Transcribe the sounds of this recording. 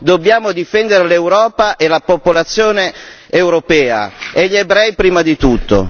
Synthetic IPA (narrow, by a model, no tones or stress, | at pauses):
d̪obːjaːmod̪ifɛnd̪eɾelewɾɔːpaʔelapopolat̪sːjoːne | ewɾopɛːa̰eʎːebɾɛjpɾiːmad̪it̪ut̪ːo̰